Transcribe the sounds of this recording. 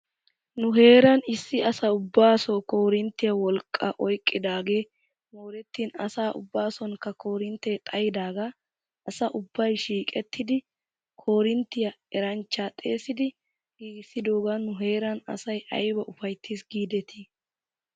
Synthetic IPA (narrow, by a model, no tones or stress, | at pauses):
nʊɦe̞ːɾɐnɪsːɪɐsɐʊbːaːsɔːko̞ːɾɪnt̪ːɪjɐwɔlkʼːɐʔɔjkʼːɪd̪aːɡe̞ː | moːɾɛt̪ːiːnɐ̰saːʔʊ̰bːaːsɔnkːɐkʰo̞ːɾɪnt̪ːet̪ʼɐjɪd̪aːɡa | ʔɐsɐʔʊbːɐjʃiːkʼɛt̪ʰːɪd̪ɪ | kʰo̞ːɾɪnt̪ːɪjɐɛɾɐnt͡ʃːaːt̪ʼe̞ːsɪd̪ɪ | ɡ̥iːɡɪsːɪd̪o̞ːɡanʊɦe̞ːɾɐnɐ̰sɐjʔɐ̰jbɐʔʊfɐjt̪ʰːiːsɡiːd̪ɛt̪ʰi